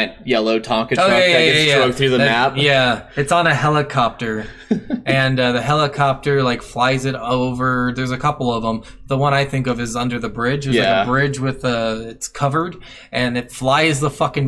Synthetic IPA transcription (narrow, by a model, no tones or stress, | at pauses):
t̚jɛlˠoʊtʰɑ̃ŋkɨooʊæjjæsjæɹoʊk̚θɹʉðɨmæp̚jjæɨtsn̩ɨɦɛlˠəkʰɑp̚tə˞ | ʔɨ̃nʌðɨɦɛlˠəkʰɑp̚tə˞laɪkflaɪzɨɾoʊvə˞ðə˞zɨkʰʌpl̩ˠʌvə̃m | ðəwʌ̃ɾ̃aɪθɪ̃ŋkʌvɨzʌ̃ndə˞ðɨbɹɪd͡ʒɨzjɨbɹɪd͡ʒwɪðʌɪtskʰʌvə˞d | ʔɨ̃nɨtflaɪzðəfʌkɨ̃ŋ